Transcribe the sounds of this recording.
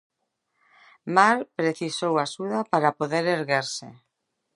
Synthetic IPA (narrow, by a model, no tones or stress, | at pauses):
maɾpɾeθisowasuðapaɾapoðeɾeɾɣeɾse